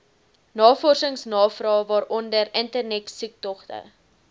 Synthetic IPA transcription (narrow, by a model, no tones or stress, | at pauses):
nɑːfɔrsəŋsnɑːfrɑːvɑːɾɔndəɾəntərnɛksuk̚tɔχtə̰